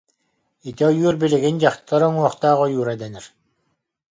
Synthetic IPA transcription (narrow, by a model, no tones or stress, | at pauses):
it̪iɔjuːɾbiliɡind͡ʑaχt̪aɾɔŋuɔχt̪aːʁɔjuːɾɛd̪ɛnɛɾ